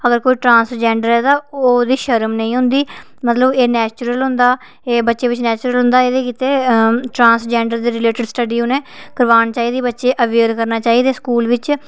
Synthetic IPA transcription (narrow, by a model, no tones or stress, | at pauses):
əɡəɾkoːiːʈɾãːnsd͡ʒɛ̃ːɳɖəɾɛːt̪ãːoːd̪iːʃəɾmnəĩːɦʊ̃nd̪iː | mət̪ləbeːnɛːt͡ʃʊɾəlɦʊ̃nd̪aː | eːbətːʃeːʋɪt͡ʃnɛːt͡ʃʊɾəlɦʊ̃nd̪aːeːd̪eːkiːt̪eːʈɾãːnsd͡ʒɛ̃ːɳɖəɾd̪iːɾɪleːʈɪɖsʈəɖiːõːnẽːkəɾʋaːɳt͡ʃaːiːd̪iːbətːʃeːʔəʋeːɾkəɾnaːt͡ʃaːiːd̪eːskuːlʋɪt͡ʃ